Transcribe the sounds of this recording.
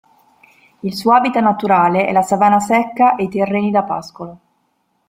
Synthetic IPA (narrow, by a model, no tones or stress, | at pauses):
ilsuːoaːbit̪anat̪uɾaːleɛ̰lːasavaːnasɛkːaʔejt̪erːeːnid̪apa̰skolo